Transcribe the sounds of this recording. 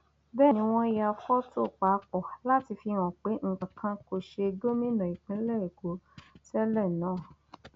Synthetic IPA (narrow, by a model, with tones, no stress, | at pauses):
bɛ˦˨nĩ˧˦w̃ɔ̃˦i˧ja˧fɔ˦tʰo˦˨k͡pa˨˦k͡pɔ˨la˦ti˧fi˧w̃ɔ̃˨k͡pe˨˦ŋ̩˨k͡pã˨kʰã˧ko˧ʃe˧do˦mĩ˦nã˨i˨k͡pĩ˨˦lɛ˦e˨ɡo˨˦tɛ˦lɛ˦˨nãː˨˦˨